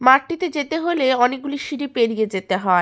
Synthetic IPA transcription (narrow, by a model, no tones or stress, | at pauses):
maʈːit̪ed͡ʑet̪eɦoleɔnek̚ɡuliʃiɾipeɾijed͡ʑet̪eɦɔe